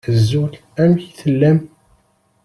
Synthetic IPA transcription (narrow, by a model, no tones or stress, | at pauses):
əzːul | æmçθəlːæm